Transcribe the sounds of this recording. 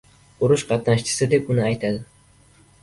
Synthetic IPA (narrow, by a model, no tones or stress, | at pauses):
ʊɾʊʃqʰɑt̪naʃt͡ʃʰɪ̥sɪd̪e̞pʊnɪajt̪ʰad̪ɪ